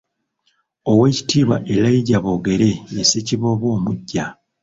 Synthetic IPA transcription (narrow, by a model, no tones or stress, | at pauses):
o̞we̞ci̥tiːβwa̰ʔelaiɟaβo̞ːɡe̞ɾe̞eseciβo̞ːβo̞ːmuɟːa